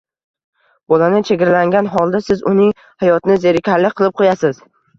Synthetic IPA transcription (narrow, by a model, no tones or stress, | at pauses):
bolanɪt͡ʃʰeɡʲɾalaŋɡʲanɦɒlˠd̪asɪzʊnɪŋ | hajɒt̪nɪzeɾɪkʲʰaɾlɪqʰɨlˠɪp̚qʰojasɪz̥